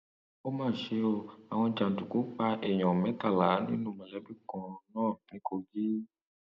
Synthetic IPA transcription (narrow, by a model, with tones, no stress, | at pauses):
o˦mãː˦˨ʃe˧o˧˨a˨w̃ɔ̃˧d͡ʒã˨tu˨ku˨˦k͡pa˧ʔe˨ɲɔ̃˨mɛ̃˨˦t̪a˦˨la˨˦nĩ˦nũ˦˨mɛ̃˨lɛ˨˦bi˦kɔ̃˨nãː˦˨nĩ˨˦ko˧ɡi˦